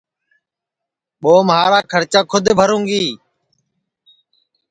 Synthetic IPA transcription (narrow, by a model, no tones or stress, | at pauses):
ɓoːmɦaːɾaːkʰəɾt͡ʃaːkʰʊd̪bʱəɾũːŋɡiː